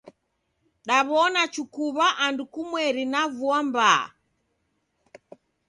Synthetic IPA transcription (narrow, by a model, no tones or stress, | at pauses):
ɗaβɔnat͡ʃukuβaʔandukumwɛɾinavuambaa̰